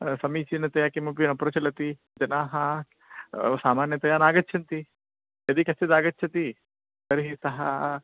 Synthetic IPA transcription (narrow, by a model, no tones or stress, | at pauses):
sɐmiːt͡ʃinɐt̪ɐjaːkimɐp̬inɐpɾɐt͡ʃɐlɐt̪i | d͡ʒɐnaːɦɐ | saːmaːnjɐt̪ɐjaːnaːɡɐtːt͡ʃʰɐnt̪i | jɐd̪ikɐst̪ed̪aːɡɐtːt͡ʃʰɐt̪i | t̪ɐɾɦisɐɦa̰